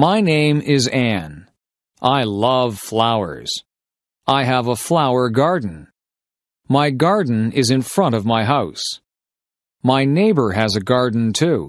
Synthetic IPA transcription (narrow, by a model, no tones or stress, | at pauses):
maɪnẽɪ̃mɪzæ̃n | ʔaɪlʌv̥flaʊə̰˞z̥ | ʔaɪəvəflaʊə˞ɡɑɹdⁿn̩ | maɪɡɑɹdⁿn̩ɪzɨ̃nfɹʌ̃ɾ̃ʌvmaɪɦaʊs | maɪneɪbə˞ɨzɨɡɑɹdⁿn̩tʰʉ